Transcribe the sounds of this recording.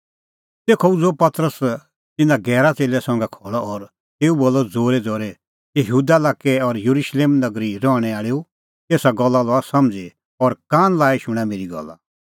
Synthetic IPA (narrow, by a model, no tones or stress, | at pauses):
t̪eːkʰɔud͡zoːpɐt̪ɾəs | t̪ɪnãɡɛːɾat͡seːlɛsɔ̃ŋɡɛkʰɔːɭɔɔɾ | t̪eːuboːlːɔd͡zoːɾɛd͡zoːɾɛ | jəɦɦuːd̪alaːkːɛɔɾjɐɾuʃleːmnɐɡɾiɾɔːɽ̃ɛaːɭeu | t̪eːsaɡɔlːalɔasɐmd͡ze | ɔɾkãːnlaːiʃʊ̃ɽ̃ameːɾiɡɔ̰lːa̰